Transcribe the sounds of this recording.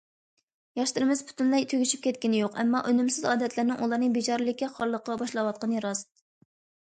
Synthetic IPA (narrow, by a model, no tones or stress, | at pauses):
jɑʃt̪ɨɾɨmɪz̥pʰu̥t̪ʰynlɛjt̪ʰøɡʲyʃy̥p̚kʲʰɛt̪̚kʲinɪjoqɛ̰mːɑʔønymsɪzɑːd̪ɛt̪ʰlɪɾnɪŋʔulˠɑɾnɨbit͡ʃɑɾɨlˠɪkʲɛχɑɾlˠəqʰːɑbɑʃlˠɑwɑt̪̚qɑnɾɑst̪̚